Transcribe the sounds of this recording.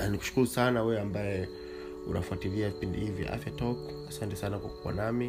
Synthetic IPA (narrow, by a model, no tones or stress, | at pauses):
aniku̥ʃu̥kuɾusanawɛɛambajɛ | ṵna̰fuatiliavipindihivja̰ʔa̰fjatɔk | asantɛsanakwakuwa̰nami